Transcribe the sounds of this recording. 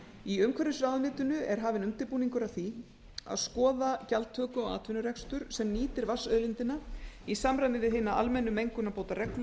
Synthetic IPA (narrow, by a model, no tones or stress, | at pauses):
iʏmkʰɛɾɪsɾaːðmɪːt̪ʏnʏɛɾ̥ɦaːvɪnʏmt̪ɪpuːniŋkʏɾaθi | a̰ðskɔːðacalt̪ʰœːkʏɔɣa̰ːt̪ʰvɪnʏɾɛkst̪ʏɾ̥sɛmniːt̪ɪɾvasœðlɪnt̪ɪnaisamɾajnɪðɪɦɪːnaʔa̰lmɛnːʏmejŋkʏnapoːwt̪arɛkl